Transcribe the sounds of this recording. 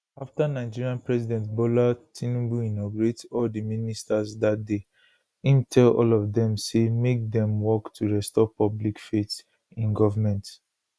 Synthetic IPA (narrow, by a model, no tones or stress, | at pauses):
aftanaɪd͡ʒiɹiãnpɹɛsidɛ̃ntbolatʰĩnũbuinɔɡuɹetɔldiministasdat̚de | ĩntʰɛlɔ̰lɔvdɛ̃msemek̚dɛ̃mwɔktʰuɹɛstɔpɔblikfet | ĩnɡɔvamɛ̃nt